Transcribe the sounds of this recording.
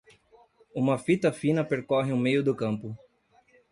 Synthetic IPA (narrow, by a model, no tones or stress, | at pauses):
ũmɐfit̪ɐfĩnɐpeɾkɔɦɪʊmejʊd̪ʊkɐ̃mpʊ